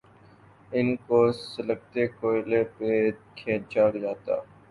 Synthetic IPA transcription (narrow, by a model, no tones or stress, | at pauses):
ɪnkoːsələɡ̚t̪eːkoːɪleːpeːkʰẽːt͡ʃaːɽd͡ʒaːt̪a̰ː